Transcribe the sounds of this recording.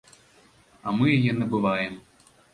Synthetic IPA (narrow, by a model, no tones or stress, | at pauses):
ɐmɨjajɛnɐbɨvajɛm